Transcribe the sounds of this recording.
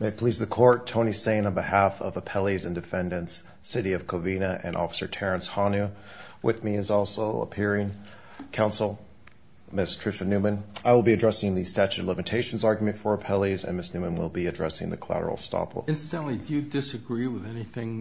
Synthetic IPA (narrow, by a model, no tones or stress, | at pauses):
meɪpʰl̥izðɨkʰɔɹtʰõʊ̃ñisẽɪ̃nə̃nbɨhæfʌ̰vəpʰɛlˠizɨ̃ndɨfɛ̃ndɨ̃nts | ɪɾiʌv̥kʰoʊvĩnɨʔɨ̰̃nʔɔ̰fə̥sə˞tʰɛɹɨ̃nshɑnʉ | wʔɪ̰ðmiɨzɔlˠsoʊə̰pʰɪɹɪ̃ŋ | kʰãʊ̃nsl̩ˠ | mɪstʰɹ̥ɪʃɨnʉmɨ̃naɪwəlˠbiɨdɹɛsɪ̃ŋðɨstæt͡ʃʉdˡlɪ̃mɨtʰeɪʃn̩zɑɹɡjmɨ̃ntfə˞əpʰɛlˠizɨ̰̃nmɪsnʉmə̃nwɪ̰lˠbiɨdɹɛ̰sɪ̰̃ŋðɨ̰kʰl̥æ̰ɾə̰l̩ˠstɑ̰pʰl̰̩ˠɪ̃nstɨ̃nʔlidɨjɨdɪsɨɡɹiwɨðɛniθɪ̃ŋ